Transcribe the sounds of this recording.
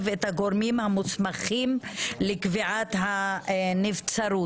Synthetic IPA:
vet̪haɡoɾmimhamut͡smaχimlekviʕat̪hanivt͡saɾu

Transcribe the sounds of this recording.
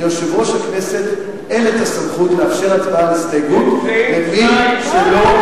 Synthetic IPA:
joʃevʁoʃaknese̞t̪ | elet̪asamχutleafʃe̞ʁatbaalist̪ajɡut̪meviʃelo̞

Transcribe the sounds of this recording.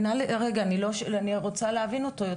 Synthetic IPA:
naleʔʁeɡaːniloʃaniʁot͡saleɦavino̞tojo

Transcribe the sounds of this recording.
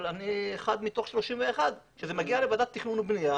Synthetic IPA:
lanieχad̪mit̪o̞χʃlo̞ʃimveːχad̪ | ʃezemaɡialevad̪at̪ːiχnunbnija

